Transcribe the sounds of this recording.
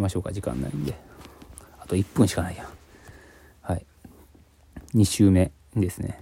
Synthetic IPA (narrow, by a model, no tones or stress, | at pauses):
imaɕo̞ːkaʑikã̰nːa̰ind̪e̞ | at̪o̞ipːɯ̃ɕi̥kanaija | hai | ɲ̟iɕɨːme̞ | d̪esɨnḛ